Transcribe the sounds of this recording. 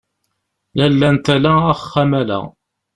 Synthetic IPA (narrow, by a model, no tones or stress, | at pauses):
lælːænt̪ælææχːæmælæ̰